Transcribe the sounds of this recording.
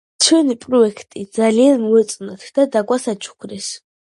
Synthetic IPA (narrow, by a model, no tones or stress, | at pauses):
t͡ʃʰwɛnipʼɾɔɛkʰt̪ʼid̪zalianmuɛt̪sʼnat̪ʰd̪̥ad̪aɡwasat͡ʃʰʼu̥kʰɾɛs